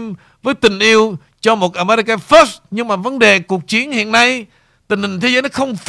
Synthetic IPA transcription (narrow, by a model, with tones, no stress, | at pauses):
m | vəː˨˦jt̪ï˨˩ŋ̟ʔi˧əw | t͡ɕɔ˧mo˨˩t̚ʔaː˧˩ma˧ɾi˧ka˧fə˦˥sɲɨ˧ŋmaː˨˩və˨˦nɗe˨˩ku˨˩ək̚t͡ɕi˨˦ənhḭ˧˨ənːa˧j | t̪ï˨˩ŋ̟hï˨˩ŋ̟t̪ʰe˨˦zəː˨˦jnɔ˨˦xə˧wŋ͡mf